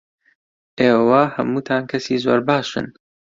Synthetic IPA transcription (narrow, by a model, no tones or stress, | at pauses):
ʔeːwɐhɐmuːt̪ʰaːnkʰɐsiːzo̰ːɾbaːʃɨ̰n